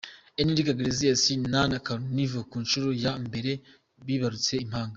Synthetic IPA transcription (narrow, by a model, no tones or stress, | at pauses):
eniɾikaɡeɾezijasinanakaɾonivokuːnʃuɾojambe̞ɾe̞ | βiβaɾut͡se̞im̥haːŋɡa